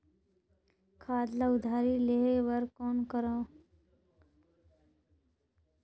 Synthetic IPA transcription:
kʰaːd̪laʊd̪ʱaːɾileɦewəɾkɔːnkəɾaː

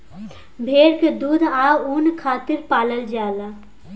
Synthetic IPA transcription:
bʱeːɾked̪uːd̪ʱaunkʰaːt̪ɪɾpaːləld͡ʒaːla

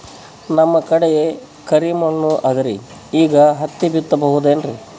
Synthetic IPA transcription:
nɐmːɐkɐɽeje | kɐɾimɐɭnuʔɐd̪ɐɾi | iːɡɐɦɐt̪ːibit̪ːɐbɐɦud̪eːnɾi

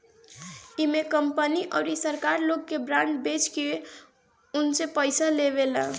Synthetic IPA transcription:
imekəmpəniʔə̰ʊɾisəɾkaɾloɡkebɾaɳɖbet͡ʃkie | unsepəjsaleβela

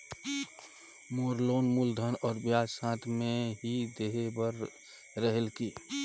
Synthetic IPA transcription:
moɾloːnmuːld̪ʱənɔːɾbjaãːt̪ʰmeɦid̪eɦebəɾ | ɾəɦelki

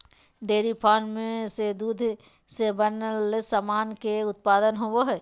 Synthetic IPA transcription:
ɖeːɾipʰaːnmẽsed̪uːd̪ʱ | sebənlesamaːnkeʊt̪̚paːd̪ənɦowoɦɛː

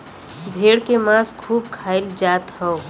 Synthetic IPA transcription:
bʱeɽkemãskʰuːbkʰaɪld͡ʒaːt̪hə̃ʊ

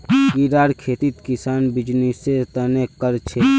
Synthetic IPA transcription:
kiɾaːɾkʰeːt̪it̪kisaːnbid͡ʒniset̪ənekəɾt͡ʃʰe

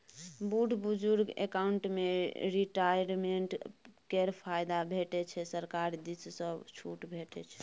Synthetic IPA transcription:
buɖʱbud͡ʒuɾɡḛkauɳʈmeɾiʈajɾmeɳʈkeɾpʰajd̪abʱeʈɛt͡ʃʰɛsəɾkaɾd̪issə̃bt͡ʃʰuʈbʱeʈɛ̰t͡ʃʰɛ̥

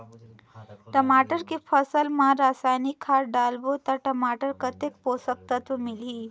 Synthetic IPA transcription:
ʈəmaʈəɾkipʰəsəlmãɾasajnikʰːaɾɖalbot̪əɾʈəmaʈəɾkət̪ek̚posək̚t̪at̪umiliː

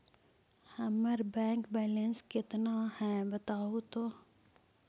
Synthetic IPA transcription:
hɐməɾbɛ̃ːŋkbɛːlenskɪt̪nahɛ̃ːbət̪aːut̪oː

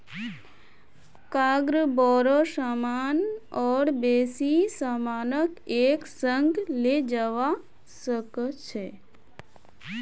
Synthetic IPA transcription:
kaɡɾəbɔɾəsamanɔːɽbesisamanəkeksəŋɡled͡ʒəʋa | səkt͡ʃʰe

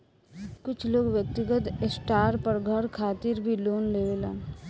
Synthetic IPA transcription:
kʊt͡ʃʰloːɡʋjək̚t̪ɪɡət̪esʈaːɾpəɾɡʱəɾkʰaːt̪ɪɾbʱiloːnleːʋelãː

